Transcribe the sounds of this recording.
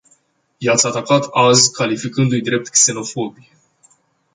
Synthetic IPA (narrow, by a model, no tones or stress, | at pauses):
jat̪sʲat̪akat̪azkalifikɨnd̪ujd̪ɾe̞p̚t̪kse̞no̞fo̞bie